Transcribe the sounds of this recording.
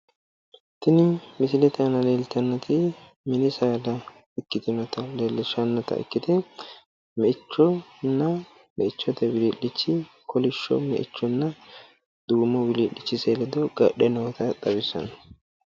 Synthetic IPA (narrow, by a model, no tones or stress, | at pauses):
t̪ɪnɪmɪsɪlɛt̪ɐnɐleːlt̪ɐnːɐt̪ɪ | mɪnɪsɐːd̪ɐ | ɪkːɪt̪ɪnɔt̪ɐleːlːɪʃɐnːɔt̪ɐ̰ʔɪ̰kːɪt̪ɛ | mɛʔɪt͡ʃːɔnːɐ | mɛɪt͡ʃːɔt̪ɛwɪliːɗɪt͡ʃːɪ | kʰɔlɪʃːɔ̰mɛ̰ʔɪ̰t͡ʃːɔnːɐ | d̪̥uːmɔwɪliːᶑɪt͡ʃːɪseːlɛd̪ɔɡɐɗɛnɔːt̪ɐt̪ʼɐbɪsɐ̰nɐ